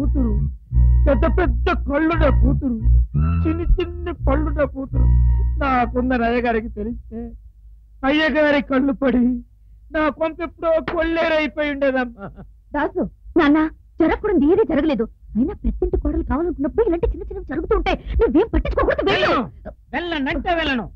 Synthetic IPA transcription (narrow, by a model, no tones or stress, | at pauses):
kuːt̪uɾupɛd̪ːɐpɛd̪ːɐkɐɭːuɳɖɐːkuːt̪uɾut͡ʃinːit͡ʃinːipɐɭːuɳɖɐkuːt̪uɾṵnaːkɔnd̪ɐnɐjɐɡaːɾikit̪elist̪e̞ː | ɐjːɐɡaːɾikɐɭːupɐɽi | naːkompepːuɽoːkoɭːeːɾɐjpoːjuɳɖeːd̪ɐmːaː | ɾaːd̪d̪unaːnːaː | d͡ʒɐɾɐkːuːɽɐnd̪eːd̪eːd͡ʒɐɾɐɡɐle̞ːd̪uɐjnaːpɐt̪ːeɳʈikɔːɽɐlukaːʋaːlɐnkunːɐpːuɽuilaɐːɳʈeːt͡ʃinːɐt͡ʃinːɐmd͡ʒɐɾuɡut̪uːɳʈeːneːʋeːmpɐʈːinɲt͡ʃːukokuːɽt̪uʋɛlɐu | ʋɛlːɐnɐʈeːʋɛlːɐnu